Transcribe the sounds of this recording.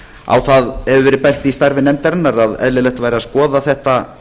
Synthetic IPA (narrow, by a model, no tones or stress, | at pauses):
a̰wθaðɛvʏvɛːɾɪpɛjn̥t̪ɪist̪aɾvɪnɛmt̪ɛɾnːaɾaðɛ̰ðlɪlɛht̪vaːjɾɪaskɔːðaθɛht̪a